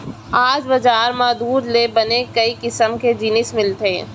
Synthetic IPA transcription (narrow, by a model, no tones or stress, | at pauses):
aːd͡ʒbɐd͡ʒaːɾmaːd̪uːɾlebɐnekɐikɪsəmked͡ʒɪnɪsmɪlt̪eː